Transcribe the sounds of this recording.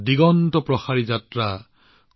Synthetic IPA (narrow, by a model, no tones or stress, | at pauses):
diɡɔntɔpɹɔxaɹid͡ʒatɹa | k